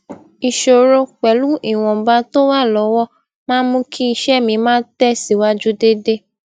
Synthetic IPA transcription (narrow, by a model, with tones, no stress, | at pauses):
i˨ʃo˨ɾo˧k͡pɛ˨lu˦i˦˨w̃ɔ̃˨ba˧˦to˦wa˦˨lɔ˨˦wɔ˦˨ | mãː˦mũ˦kʰi˦i˧ʃɛ˦˨mĩ˧mãː˦tɛ˦si˨wa˦d͡ʒu˦de˦de˦